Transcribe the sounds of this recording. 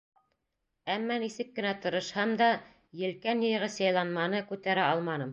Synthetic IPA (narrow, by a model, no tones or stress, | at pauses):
æmːænisɘkːɘ̆næt̪ɤ̆ɾɤ̆ʃhɑmd̪ɑ | jɘ̆lkænjɤ̆j̆ʁɘsɑjlˠɑnmɑnɤkʉt̪æɾæɑlˠmɑnɤm